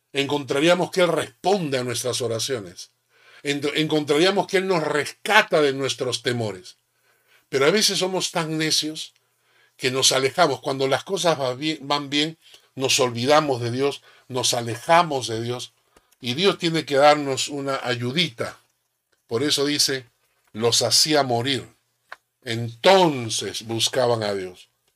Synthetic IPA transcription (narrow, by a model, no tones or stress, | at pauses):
e̞ŋko̞nt̪ɾaɾiamo̞skeelrespo̞nd̪eanwe̞s̬t̪ɾas̬oɾasjo̞ne̞s | eeŋko̞nt̪ɾaɾiamo̞skeelno̞sre̞skat̪aðe̞nwe̞st̪ɾo̞st̪e̞mo̞ɾe̞s | pe̞ɾo̞aβe̞sesːo̞mo̞st̪aŋne̞sjo̞s | ke̞no̞sale̞xamo̞skwand̪o̞lasko̞s̬azβaebambje̞nː | o̞so̞lβiðamo̞zðe̞ðjo̞s | no̞sale̞xamo̞zðe̞ðjo̞s | iðjo̞st̪je̞ne̞ke̞ðaɾno̞sunaʔaʝuðit̪a | po̞ɾe̞so̞ðise̞ | lo̞sasiamo̞ɾiɾ | ent̪o̞nse̞sβuskaβaŋaðjo̞s